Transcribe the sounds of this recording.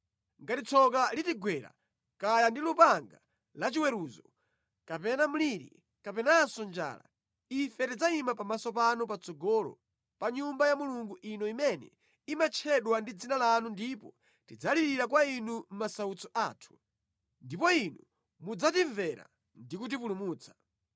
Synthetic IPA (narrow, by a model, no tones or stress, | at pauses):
ŋɡatit͡sʰɔkalitiɡwɛɾa̰ | kajandilupaŋɡa | lat͡ʃiwɛɾuːzɔ | kapɛnam̩liɾḭ | kapɛnasɔnd͡ʒa̰ːla̰ | ifɛtid͡zaimapamasɔpanɔpat͡sɔɡɔlɔ̰ | paɲumbajamuluŋɡuʔinɔimɛnɛ̰ | imat͡ʃʰɛɗwandid͡zinalanundipɔ | tid͡zaliɾiɾak̬wainum̩masaut͡sɔʔaːtʰu̥ | ndipɔinu | mud͡zatiɱvɛɾa̰ | ndikut̬ipulumuːt͡sʰḁ